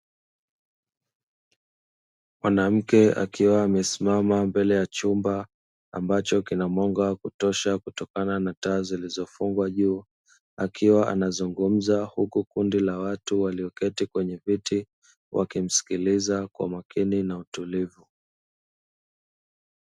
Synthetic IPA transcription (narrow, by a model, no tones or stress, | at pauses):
mwanam̩kɛa̰kiwaːmɛsimamambɛlɛjat͡ʃumba | a̰mbat͡ʃɔkinamɔŋɡakutɔʃakutɔkananataːzilizɔfuŋɡwaʄuː | akiwaʔa̰nazuŋɡum̩zahukukundilawatuwaliɔkɛtikwɛɲɛviti | wʔa̰kim̩si̥kilizakwa̰makʰininautulivu